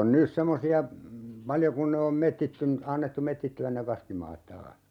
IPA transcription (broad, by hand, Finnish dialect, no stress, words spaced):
on nys semːosiɑ pɑljo kun ne om metːitːyn ɑnːetːu metːitːyæn ne kɑskimɑːt tɑːh